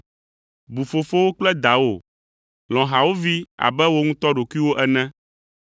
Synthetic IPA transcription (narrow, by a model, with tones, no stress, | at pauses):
bu˨fo˨fo˦wo˦k͡plɛ˦d̪a˨wo˨ | l̃ɔ̃˨ɦa˨wo˦vi˦a̰˨bɛ˦wo˦ŋũ˦t̪ɔ˦ɖo˨ku˦i˦wo˦ʔɛ˦nɛ̃˦